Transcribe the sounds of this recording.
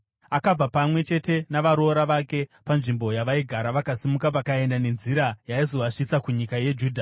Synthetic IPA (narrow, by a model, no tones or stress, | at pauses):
akab͡vapamwe̞t͡ʃe̞te̞naʋaɾo̞ːɾaʋake̞panʐimbo̞jaʋaiɡʱaɾaʋakasimukapakae̞ndane̞nziɾajaizo̞ʋaʂit͡sakuɲikaje̞d͡ʒuːdʱa